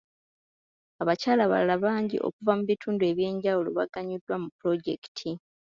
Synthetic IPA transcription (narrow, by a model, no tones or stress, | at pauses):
aβacaːlaβa̰lalaβaːɲɟḭʔo̰kuvamuβitʰuːndue̞βje̞ːɲɟawulo̞̰βa̰ɡaɲudːwamupɾo̞ɟe̞ki̥tʰi